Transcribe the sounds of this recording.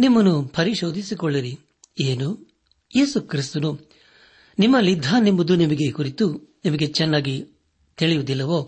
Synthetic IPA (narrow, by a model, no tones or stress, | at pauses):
nimːɐnupʰɐɾiʃo̞ːd̪ʱisikɔɭːɐɾi | eːnu | jeːsukɾist̪unu | nimːɐlːid̪ʱːanimbud̪unimɐɡekuɾit̪unimɐɡe̞t͡ʃɛnːaːɡi | t̪iɭijud̪ilːɐʋo̞ː